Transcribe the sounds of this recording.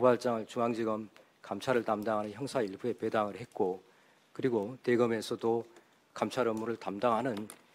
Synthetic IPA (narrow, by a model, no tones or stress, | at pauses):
pobaɭt͡ɕ͈aŋɯɭt͡ɕuŋaŋd͡ʑiɡʌm | kamt͡ɕʰaɾɯɭtamdaŋɦanɯnçjʌŋsʰaiɭbue̞pe̞daŋɯɭhe̞t̚k͈o | kɯɾiɡote̞ɡʌme̞sʰʌdo | kamt͡ɕʰaɾɯmːuɾɯɭtamdaŋɦanɯn